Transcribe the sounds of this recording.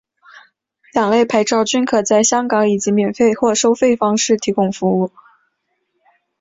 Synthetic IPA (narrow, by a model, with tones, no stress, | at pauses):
ljɑ˨˩ŋle˥˩ɪpʰa˧˥ɪʈ͡ʂɑ˥˩ʊt͡ɕy˥nkʰɤ˨˩t͡sa˥˩ɪɕjɑ˥ŋkɑ˧˥ŋi˨˩t͡ɕi˧˥mjɛ˨˩nfe˥˧ɪxwɔ˥˩ʂo˥ʊfe˥˩ɪfɑ˥ŋʂɻ̩˥˩t̪ʰi˧˥kʊ˥˩ŋfu˧˥u˥˩